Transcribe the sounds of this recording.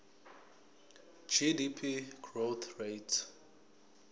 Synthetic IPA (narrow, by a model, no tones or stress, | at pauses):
d͡ʒidipʰiɡ̥roθɹetʰ